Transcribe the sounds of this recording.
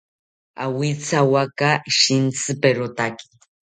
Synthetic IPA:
a̰wit͡sawakaʃint͡sɨpeɾot̪aki̥

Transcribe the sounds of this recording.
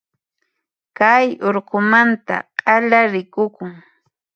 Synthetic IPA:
kajoɾɢʊmant̪a̰qʼɑʎaɾɪkʊkʊŋ

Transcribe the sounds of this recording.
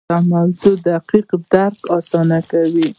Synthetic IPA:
amawzod̪aqiqd̪aɾkɑsɑnakawi

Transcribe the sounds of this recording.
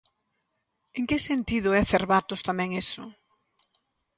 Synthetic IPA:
eŋkɪsent̪iðʊɛθeɾβat̪ʊst̪amɛ̃ŋesʊ

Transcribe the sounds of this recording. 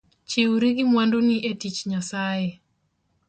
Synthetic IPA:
t͡ʃiuɾiɡimwanduniʔetit͡ʃɲasajɛ

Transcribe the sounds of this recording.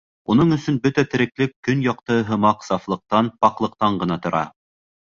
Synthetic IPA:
unɤɴɵ̆sɵnbɵt̪æt̪ɘ̆ɾɘ̆klɘkːɵnjɑqt̪ɤɦɤ̆mɑqsɑflˠɤ̆q̚t̪ɑnpɑqlˠɤ̆q̚t̪ɑɴɢɤ̆nɑt̪ŏɾʔɑ̰

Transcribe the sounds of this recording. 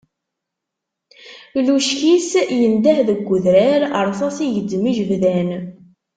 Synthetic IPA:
luʃkisjənd̪æħðəɡʷːʊðɾaɾəɾˤθɑsijəd̪ːməʒəvðæn

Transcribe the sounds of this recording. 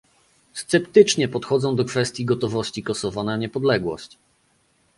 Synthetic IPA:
st̪sɛpt̪ɘt͡ʂɲɛpɔt̪xɔd̪zɔ̃w̃d̪ɔkfɛst̪ʲjiɡɔt̪ɔvɔɕt͡ɕikɔsɔvanaɲɛpɔd̪lɛɡwɔ̰ɕt͡ɕ

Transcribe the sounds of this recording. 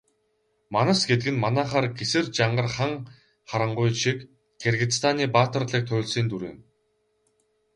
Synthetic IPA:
manə̆sɡet̪ɡɘ̆nmanaːχaːrɡesɘ̆rt͡ɕaɴɢə̆rχaŋ | χaɾə̆ɴɢʊjʃik | ɡʰerɣʲɪ̆t͡st̪ʰaːniːpaːt̪ə̆rɮiːk̚t̪ʰʊːɮsiːnt̪uɾḛːn

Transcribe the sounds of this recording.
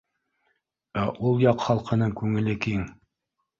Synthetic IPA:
æʔulˠjɑqχɑlˠqʰɤ̆nɤɴkʉŋɘ̆lɘkiŋ

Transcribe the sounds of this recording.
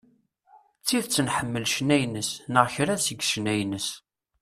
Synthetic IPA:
t͡sːiθt͡sːənħəmːəlʃnæjnəsnəʁçɾæsəɡʃnæjnəs

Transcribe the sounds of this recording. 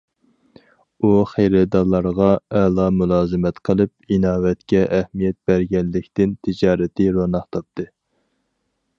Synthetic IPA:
uχejɾɛd̪ɑlˠːɑɾʁɑɛlˠɑmulˠɑːzɨmɛt̪qʰəlˠɨpinɑːwɛt̪kʲɛʔæhmijɛt̪̚b̥æɾɡʲɛnlɪkʲt̪ɪnt̪ʰɪd͡ʒɑːɾɪt̪ʰɪɾonɑχt̪ʰɑp̚t̪ɨ

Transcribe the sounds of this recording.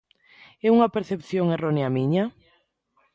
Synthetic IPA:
ɛuŋɐpeɾθepθjoŋeroneamiɲa

